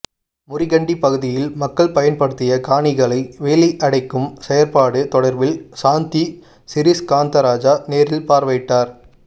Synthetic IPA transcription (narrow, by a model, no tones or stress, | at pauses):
mʊrɪɣɐɳɖipɐɣɯðɪjɪlmɐkːɐɭpɐjɐnpɐɽɯt̪ːɪjɐkaːɳɪɣɐɭɐɪʋeːliʔɐɽɐɪkːɯmsɛjɐɾpaːɽɯt̪ɔɽɐɾʋɪlsaːnt̪i | sɪɾɪskaːnt̪ɐɾaːd͡ʒaːneːɾɪlpaːɾʋɐɪʈːaːɾ